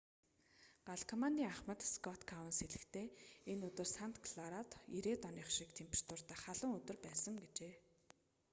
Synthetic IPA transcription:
ɢ̥aɮkʰɔmant̪iːŋaχmə̆t̪skɔt̪kʰawnseɮɘ̆kt̪ʰeːenɵt̪ɵ̆rsan̥t̪kʰɮaɾat̪iɾeːt̪ɔniːχʃikt̪ʰemprt̪ʊr̥t̪aːχaɮʊ̆ŋɵt̪ɵ̆rpæːsə̆ŋɡet͡ɕeː

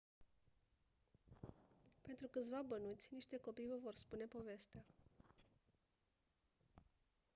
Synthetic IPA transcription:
pe̞nt̪ɾukɨt̪sʲvabənut̪sʲniʃt̪e̞ko̞pijvəvo̞rspune̞po̞ve̞st̪ea

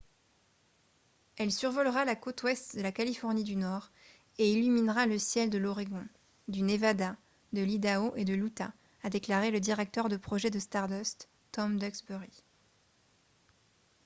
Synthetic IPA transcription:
ɛlsyʁvɔlʁalakot̪wɛst̪d̪əlakalifɔʁnid̪ynɔːʁ | eilyminʁaləsjɛld̪əlɔʁeɡɔ̃ | d̪ynevad̪a | d̪əlid̪aoʔed̪əlut̪aː | d̪eklaʁeləd̪iʁɛk̚t̪œʁd̪əpχɔʒɛd̪əst̪aʁd̪ɔst̪ː | ɔmd̪ɛksbøʁi

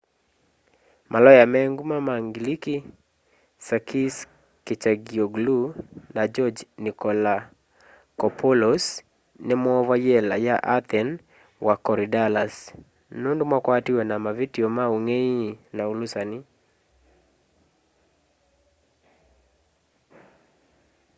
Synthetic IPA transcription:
mʔalɔjamɛŋɡumamaŋɡiliki | sakʰis | kit͡ʃaɡiɔɡlunad͡ʒɔd͡ʒnikɔla | kɔpʰɔlɔs | nemɔːvajɛla̰jaʔaθɛn | wakɔɾidalas | nundumwakwatiwɛnamavitiɔmauŋɛinaulusani

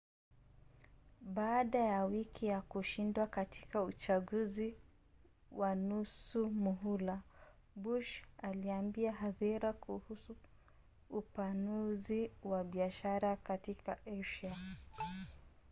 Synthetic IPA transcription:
ɓaːɗajawikʰijakuʃindwakati̥kaut͡ʃaɠuzi | wanusumuɦula | buʃaliambiaɦaðiɾakʰuhusuː | panuziwaɓiaʃaɾakatikaʔɛʃa

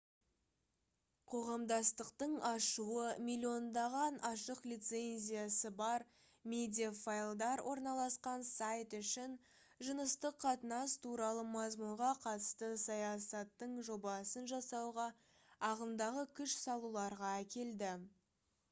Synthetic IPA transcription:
qʰo̞ʁɑmd̪ɑst̪əqt̪əɴɑʃuəmʲilʲːio̞nd̪ɑʁɑnɑʃəqlʲijt̪se̞nʲzʲijasəbɑɾ | mʲe̞d̪ʲijafajlˠd̪ɑɾwʔo̞ɾnɑlˠɑsqɑnsajt̪ʏʃɪn | ʒənəst̪əqʰːɑt̪ənɑst̪ʰuɾɑlˠəmɑzmuɾʁɑqʰɑt̪ə̥st̪əsɑjɑsɑt̪ːəɴʒo̞bɑsənʒɑsɑwʁɑ | ɑʁənd̪ɑʁəkʲʰʏʃsɑlˠulˠɑɾʁɑækʲe̞ld̪ɪ

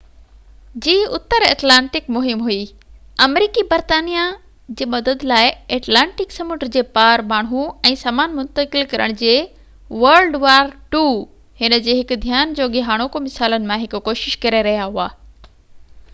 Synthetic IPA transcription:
d͡ʑiːʊt̪ːəɾeːʈlãːɳʈɪkmʊɦɪmɦʊi | ɐmɾiːkibɐɾt̪aːnija | d͡ʑeːmɐd̪əd̪laːɪeːʈlãːɳʈɪksɐmʊːʈəɾd͡ʑeːpaːɾmaːɽ̤̃ũɛ̃ːsaːmaːnmʊ̃nt̪əkɪlkɐɾə̰ɽ̃d͡ʑeː | ʋɐɾlɖʋaːɾʈuː | hɪnə̆d͡ʑeːɦɪkʊ̆d̪ʱjaːnd͡ʑoːɠɪɦaːɽ̃okomɪsaːlənɪ̆mãɦɪkʊkoːʃɪʃkɐɾeɾɐɦijaɦuaː

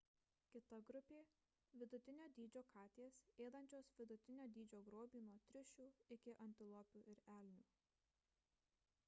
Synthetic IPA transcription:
kʲɪt̪ɐɡɾʊpʲeː | ʋʲɪd̪ʊt̪ʲɪnʲoːd̪ʲiːd͡ʒʲoːkʰɑːt̪ʲeːseːd̪ɐnʲt͡ʃʲoːsʋʲɪd̪ʊt̪ʲɪnʲoːd̪ʲiːd͡ʒʲoːɡɾoːbʲiːnuɔt̪ʲɾʲɪʃʲuːɪkʲɪʔɐnʲt̪ʲɪlˠɔpʲuːʔɪɾæːlʲnʲuː

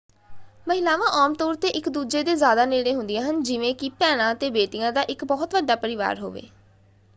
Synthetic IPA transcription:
məɦɪlaːʋãːʔaːmt̪ɔːɾt̪eːʔɪkd̪uːd͡ʒeːd̪eːzjaːd̪aːneːɽeːɦʊ̃nd̪ɪjãːɦənd͡ʒɪʋẽːkɪpɛːɽ̃ãːt̪eːbeːʈɪjãːd̪aːʔɪkbɔːt̪ʋəɖaːpəɾɪʋa̰ːɾɦo̰ːʋḛː

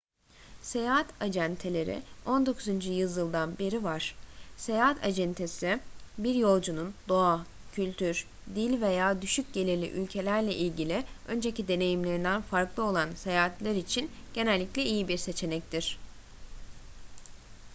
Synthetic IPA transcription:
se̞jaːɦat̪ʰad͡ʒænt̪ʰelʲe̞ɾḭo̞nd̪o̞kʰuzynd͡ʒyjɯzjɯlˠd̪anbeɾivaɾ̥se̞jaɦat̪ʰa̰d͡ʒɛnt̪ʰesibiɾjo̞lˠd͡ʒunund̪o̞a | cʰylʲt̪ʰyɾ | d̪ilʲve̞jaːd̪yʃyc̚ɟe̞lʲiɾlʲḭʔylʲcʰe̞lʲæɾlʲɛʔilʲɟilʲiø̞nd͡ʒe̞cid̪e̞ne̞jimlʲe̞ɾind̪ænfaɾklˠɯo̞lˠanse̞jaːɦat̪lʲaɾit͡ʃʰinɟ̥e̞nælʲːiclʲɛijibiɾse̞t͡ʃʰe̞nɛc̚t̪ʰiɾ̥

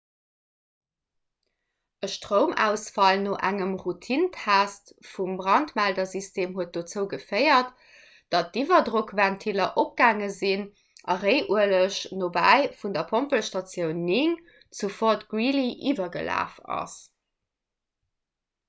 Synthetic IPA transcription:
əʃtʁəʊmæ̰ʊsfɑlnoːʔæŋəmʁutʰintʰæːst | fumbʁɑntmældɐzistʰeːmɦuət̚d̥ot͡səʊɡəfəɪɐt | d̥ɑt̚divɐdʁokvæntʰilɐʔop̚ɡaːŋəzin | ʔɑʁəɪʔuələʃnoːbæ̰ɪfundɐpʰompəlʃtɑt͡sjəʊnːiŋ | t͡sufotɡ̥wiliʔivɐɡə̰la̰ːfɑ̰s

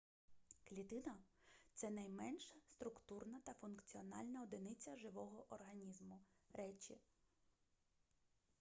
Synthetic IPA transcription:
klʲit̪ɪnɐt̪sɛnɐjmɛnʃɐst̪ɾʊkt̪urnɐt̪ɐfʊnkt͡sʲiɔnɑ̰lʲnɐɔd̪ɪnɪt͡sʲɐʒɪʋɔɦɔʔɔrɦɐnʲizmʊɾɛt͡ʃi

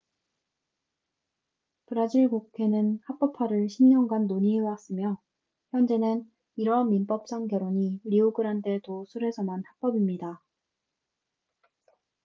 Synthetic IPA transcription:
pɯɾad͡ʑiɭɡokʰe̞nɯnhak̚p͈ʌpʰaɾɯɭɕʰimɲʌŋɡanːoɲiɯwas͈ɯmjʌ | çjʌnd͡ʑe̞nɯn | iɾʌnmːimp͈ʌp̚s͈aŋɡjʌɾoɲiɾiuɡɯɾandetosʰuɾe̞sʰʌmanhak̚p͈ʌbimɲida

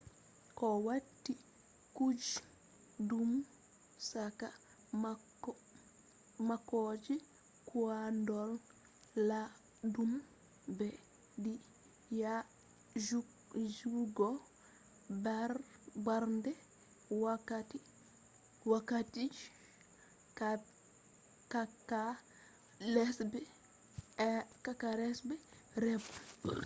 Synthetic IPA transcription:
kɔwatːi | kud͡ʒ | dum | saka | makːɔd͡ʒi | kʰuandɔl | la | dum | bɛ | di | ja | d͡ʒuɡɔ | barbaɾndɛ | wakati | wakati | ka | kaka | lɛsbɛ | kakaɾɛsbɛ | ɾɛb

